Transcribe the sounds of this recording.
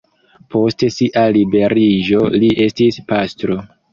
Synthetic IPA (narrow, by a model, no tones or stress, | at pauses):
pʰo̞stesiʔalibe̞ɾiʒo̞liʔe̞stispastɾo̞